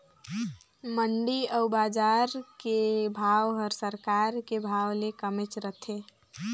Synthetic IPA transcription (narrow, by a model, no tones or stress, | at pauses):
məɳɖiəʊbad͡ʒaɾkebʱawɦɔɾsəɾkaɾkebʱawlekəmet͡ʃɾət̪ʰe